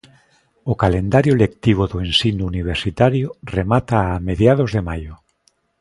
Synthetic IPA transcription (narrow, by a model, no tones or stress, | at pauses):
ʊkalend̪aɾjolek̚t̪iβ̞oðoẽnsinuuniβ̞eɾsit̪aɾjoremat̪aːmeðjaðozðemajʊ